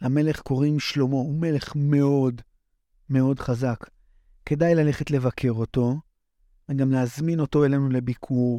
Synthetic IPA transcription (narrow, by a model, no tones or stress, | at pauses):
lame̞le̞χko̞ʁimʃlo̞mo̞ume̞le̞χme̞o̞d | me̞o̞dχazak | kːe̞dajlale̞χe̞tle̞vakʰe̞ʁo̞to̞ | veɡamleazmino̞to̞e̞lenule̞bikʰuʁ